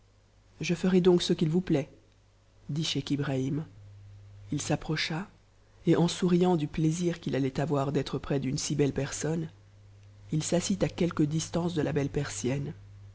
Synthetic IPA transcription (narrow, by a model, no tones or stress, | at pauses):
ʒəfəʁɛd̪ɔ̃ksəkʲilvuplɛ | d̪iʃekʲibʁaim | ilsapχɔʃa | eʔɑ̃suʁijɑ̃d̪ypleziʁkʲilalɛt̪avwaʁd̪ɛt̪χəpχɛd̪ynsibɛlpɛʁsɔn | ilsasit̪akʲɛlkəd̪ist̪ɑ̃sd̪əlabɛlpɛʁsjɛn